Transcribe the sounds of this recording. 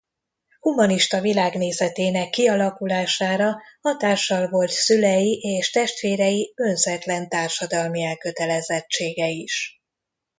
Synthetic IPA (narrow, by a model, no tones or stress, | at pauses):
humɒniʃt̪ɒvilaːɡneːzɛt̪eːnɛkːiɒlɒkulaːʃaːɾɒhɒt̪aːrʃːɒlvo̞lt̪sylɛjiʔeːʃt̪ɛʃt̪ʋeːɾɛjiønzɛt̪lɛnt̪aːrʃɒd̪ɒlmiɛlkø̞t̪ɛlɛzɛt͡ʃːeːɡɛiʃ